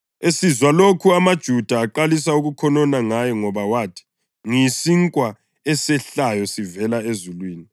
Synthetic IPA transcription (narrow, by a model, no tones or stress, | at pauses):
esizwalokʰuamad̥ʒ̥ʱud̥ʱaːǃalisauɣukʰɔnɔnaŋajɔŋɔβawaːtʰi̥ | ŋisiŋkʼwa | ɛsɛɬajɔsivɛlaezulwiːni